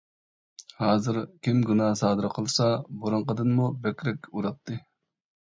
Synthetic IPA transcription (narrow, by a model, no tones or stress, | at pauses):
hɑːzɨɾkʲimɡunɑːsɑːd̪ɨɾqʰəlˠsɑboɾɨɴqəd̪ɨnmubɛkʲɾɛkʲuɾɑt̪ʰːɨ